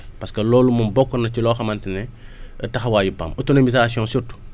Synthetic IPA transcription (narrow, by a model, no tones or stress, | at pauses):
pɐskɐlɔːlumunbɔkːɔnɐcilɔːxɐmɐntɛnɛətɐxwaːjupa̰mutunɐmis̬aasiɔ̃nsutu̥